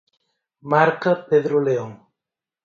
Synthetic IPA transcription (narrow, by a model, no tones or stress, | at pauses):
maɾkapeðɾoleoŋ